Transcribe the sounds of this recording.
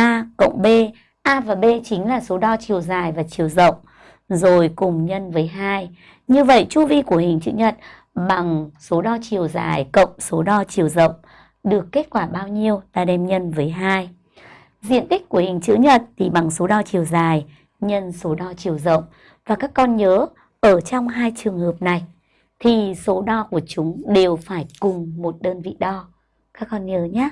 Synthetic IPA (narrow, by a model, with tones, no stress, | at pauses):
ʔaː˧kə̰˧˨wŋ͡mɓe˧ | ʔaː˧vaː˨˩ɓe˧t͡ɕï˨˦ŋ̟laː˨˩so˨˦ɗɔ˧t͡ɕi˨˩əwzaː˨˩jvaː˨˩t͡ɕi˨˩əwzə̰˧˨wŋ͡m | zo˨˩jkʊ˨˩ŋ͡mɲə˧nvəː˨˦jɦaː˧j | ɲɨ˧və̰˧˨jt͡ɕu˧vi˧ku˧˩əhï˨˩ŋ̟t͡ɕɨ̰˧˥ɲə˨˩t̚ | ɓa˨˩ŋso˨˦ɗɔ˧t͡ɕi˨˩əwza̰ː˨˩jkə̰˧˨wŋ͡mso˨˦ɗɔ˧t͡ɕi˨˩əwzə̰˧˨wŋ͡m | ɗɨ˨˩əkːe˦˥t̚kwaː˧˩ɓaː˧wɲi˧əwt̪a̰ː˧˩ɗɛ˧mɲə˧nvəː˨˦jɦaː˧j | zḭ˧˨ənt̪ï˦˥k̟̚ku˧˩hï˨˩ŋ̟t͡ɕɨ̰˧˥ɲə˨˩t̚t̪ʰi˨˩ɓa˨˩ŋso˨˦ɗɔ˧t͡ɕi˨˩əwzaː˨˩j | ɲə˧nso˨˦ɗɔ˧t͡ɕi˨˩əwzə̰˧˨wŋ͡m | vaː˨˩kaː˦˥kːɔ˧nɲəː˨˦ | ʔəː˧˩t͡ɕɔ˧wŋ͡mɦaː˧jt͡ɕɨ˨˩əŋhəː˨˩p̚na˨˩j | t̪ʰi˨˩so˨˦ɗɔ˧ku˧˩ət͡ɕʊ˨˦ŋ͡mɗe˨˩wfaː˧˩jkʊ˨˩ŋ͡mmo˨˩t̚ɗəː˧nvḭ˧˨ɗɔ˧ | kaː˦˥kːɔ˧nɲəː˨˦ɲaː˦